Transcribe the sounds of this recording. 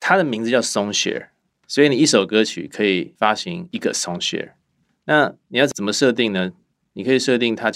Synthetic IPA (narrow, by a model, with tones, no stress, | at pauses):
t̪ʰa˥d̪ə˨mi˧˥ŋd͡zz̩˧t͡ɕjɑ˥˩ʊsʊ˥ŋɕɛ̰˥ | swɔ˧˥i˨˦ni˨˩i˥˩ʂo˨˩ʊkɤ˥t͡ɕʰy̰˨˩kʰɤ˧˥i˨˩fa˥ɕi˧˥ŋi˧˥ɡə̰˨sʊ˥ŋɕɛ̰˥˧˥ | na˥˩ni˨jɑ˥˩t͡sə˨˩mə˧ʂɤ˥˧t̪i˥˩ŋnə˩ | ni˨˩kʰɤ˧˥i˨˩ʂɤ˥˧t̪̬i˥˩ŋt̪ʰa˦t͡ɕ